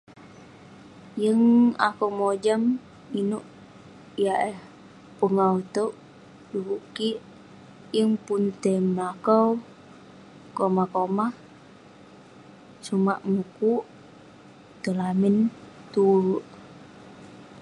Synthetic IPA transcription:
jəŋa̰komod͡ʒam | inuʔ | jaʔɛh | pəŋaut̪oʔ | dubukiʔ | jəŋpunt̪emlakaw | komakomah | sumaʔmukuʔ | t̪əlamɪnt̪uɾuʔ

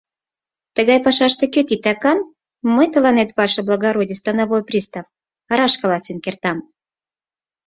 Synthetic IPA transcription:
t̪əɣɑjpɑʃɑʃt̪ekʲøt̪ʲit̪ɑkɑn | mɤjt̪əlɑnet̪βɑrʃɑblˠaɡaɾodʲist̪ɑnaβojprʲist̪ɑf | ɑɾɑʃkɑlˠɑt͡sʲinkʲert̪ɑm

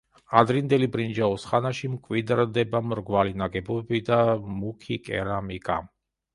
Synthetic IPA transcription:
ad̪ɾind̪ɛlibɾind͡ʒaɔsχanaʃimkʼwid̪ɾd̪ɛbamɾɡvalinaɡɛbɔbɛbid̪amukʰikʼɛ̰ɾamikʼa̰

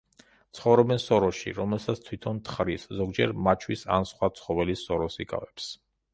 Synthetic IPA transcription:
t̪sʰχɔvɾɔbɛnsɔɾɔʃḭɾɔmɛlˠsat̪sʰt̪ʰwit̪ʰɔnt̪ʰχɾiszɔɡd͡ʒɛɾmat͡ʃʰwisa̰nsχwat̪sʰχɔvɛlisɔɾɔsikʼa̰vɛps

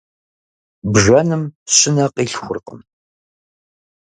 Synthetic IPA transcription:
bʒʷɐnɨmɕɪnɐqʼiːɬxʷʊ̰rqə̰m

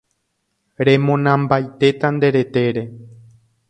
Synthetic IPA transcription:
ɾe̞mõnãmbajt̪e̞t̪and̪e̞ɾe̞t̪e̞ɾe̞

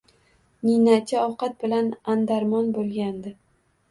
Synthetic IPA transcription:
ninat͡ʃʰɪɒwqat̪̚bɪlanand̪aɾmɒnbolˠɡʲand̪ɪ

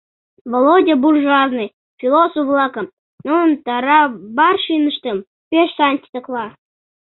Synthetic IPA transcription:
volˠod̪ʲəburʒuɑznɨj | fʲilˠosoflˠɑkəm | nont̪ɑɾɑbɑrʃinəʃt̪əm | pʲeʃsanʲt̪ʲi̥t̪əklˠɑ

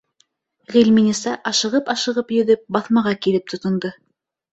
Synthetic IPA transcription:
ʁilʲminʲisɑʔɑʃɤ̆ʁɤpɑʃɤ̆ʁɤpjɵ̆ðɵp̚bɑθmɑʁɑkilɘp̚t̪ʰŏt̪ŏnd̪ɤ

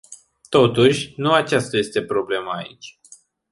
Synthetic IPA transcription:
t̪o̞t̪uʃʲnuat͡ʃast̪aje̞st̪e̞pɾo̞ble̞maːit͡ʃʲ

